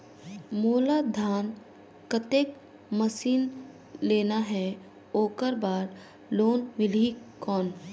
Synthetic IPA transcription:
moːlad̪ʱaːn | kət̪eːk̚ | məsiːn | leːnaɦɛ | oːkəɾbaːɾ | loːnmɪlikɔːn

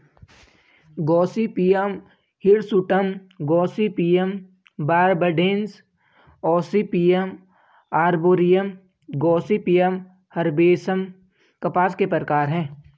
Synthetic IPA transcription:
ɡɔːsipiːjəm | hɪɽsʊʈəmɡɔːsipiːjəm | baːɾbəɖẽːns | ɔːsipiːjəm | aːɾboːɾijəm | ɡɔːsipijəm | hɐɾbeːsəm | kɐpaːskepəɾəkaːɾɦɛ̃ː

